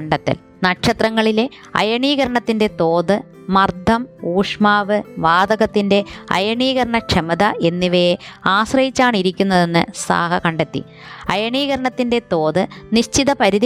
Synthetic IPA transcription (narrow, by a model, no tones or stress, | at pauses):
ɳɖɐt̪ːɐ̰l | nɐkʂɐt̪rɐŋːɐɭile | ɐ̰jɐɳiːɣɐɾɐɳɐt̪ːinde̞t̪o̞ːðɨ | mɐrd̪ʱɐmuːʂmaːʋɨʋaːd̪ɐɣɐt̪ːinde̞ɐ̰jɐɳiːɣɐɾɐɳɐkʂʰɐmɐðɐʔe̞nːiʋejeaːɕrɐjit͡ɕːaːɳiɾikʲːunːɐðe̞nːɨsa̰ːɦɐkɐɳɖet̪ːḭ | ɐjɐɳiːɣɐɾɐɳɐt̪ːinde̞t̪o̞ːðɨniɕt͡ɕiðɐpɐɾiði